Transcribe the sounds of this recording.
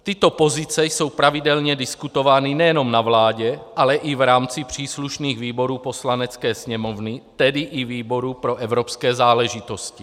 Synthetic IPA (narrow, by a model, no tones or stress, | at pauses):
t̪ɪt̪o̞po̞zit͡sɛjso̞wpɾavidɛlɲɛdɪskut̪o̞vaːninɛjɛno̞mnavlaːɟɛʔalɛʔivɾaːmt͡sipr̝̥iːsluʃniːɣviːbo̞ɾuːpo̞slanɛt͡skɛːsɲɛmovnit̪ɛdiʔiviːbo̞ɾupɾo̞ʔɛvɾopskɛːzaːlɛʒit̪o̞sci